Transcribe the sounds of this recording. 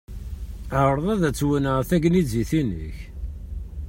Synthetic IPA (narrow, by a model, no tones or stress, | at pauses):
əɾˤðˤæðæt͡sːwənəʁθæɡniziθinə̰ç